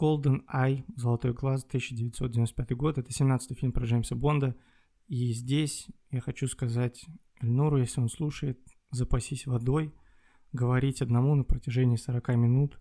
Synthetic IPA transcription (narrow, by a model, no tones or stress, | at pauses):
ɡ̥o̞lˠd̪ənajzəlˠɐt̪o̞jɡlˠast̪ɨsʲːɪdʲɪvʲɪt̪ʲsodʲvʲɪnospʲat̪ɨjɡo̞t̪ɛt̪əsʲɪmnat̪sɨ̥t̪ɨjfʲilʲmpɾɐʐɛjmʲsəbo̞nd̪ə | izʲdʲesʲjaxɐt͡ɕuskɐzatʲ | ɪlʲnuɾʊjesʲlʲɪo̞nslˠuʂəjɪt̪̚ | zəpɐsʲisʲvɐd̪o̞j | ɡəvɐɾʲitʲɐd̪nɐmunəpɾətʲɪʐɛnʲɪːsəɾɐkamʲɪnut̪